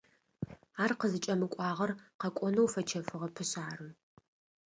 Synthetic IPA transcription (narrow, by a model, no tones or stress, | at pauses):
aːrqəzɨt͡ʃʼɐmɨkʷʼɑːʁɐrqɐkʷʼɔnɐwfɐt͡ʃʰɐfɨʁɐpʰɨɕʼaːrɨm